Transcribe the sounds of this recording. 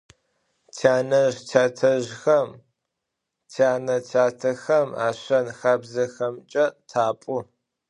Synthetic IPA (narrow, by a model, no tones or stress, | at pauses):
tʰaːnɐʒtʰaːtʰɐʒxɐm | tʰaːnɐtʰaːtʰɐxɐma̰ːɕɐnxaːbzɐxɐmt͡ʃʼɐtʰaːpʼʊ